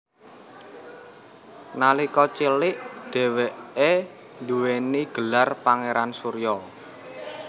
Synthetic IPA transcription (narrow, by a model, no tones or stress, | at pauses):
nalikɔt͡ʃilɪʔd̪̥ɛ̤weʔe | nd̪uweniɡ̥ə̤larpaŋeɾansuɾjɔ